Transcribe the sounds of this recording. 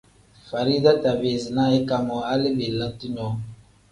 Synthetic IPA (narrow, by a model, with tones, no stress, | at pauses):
fa˨ɾi˦da˦ta˨be˨zi˨na˦i˦ka˨mɔ˨a˦li˦be˨lə˨ŋti˦ɲɔ˨˦